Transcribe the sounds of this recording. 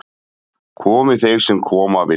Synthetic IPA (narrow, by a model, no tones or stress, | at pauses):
kʰɔːmɪθejɾ̥sɛmkʰɔːmavɪ